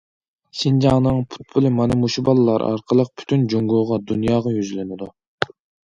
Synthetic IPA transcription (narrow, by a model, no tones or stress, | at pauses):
sʲind͡ʒɑŋnɨŋpʰu̥t̪̚bʰulˠɨmɑnɨmuʃubɑlˠɨlːˠɑɾʔɑ̰ɾqʰəlˠəq̚pʰy̥t̪ʰynd͡ʒoŋɡoʁɑd̪unjɑːʁɑjyzlɪnɪd̪u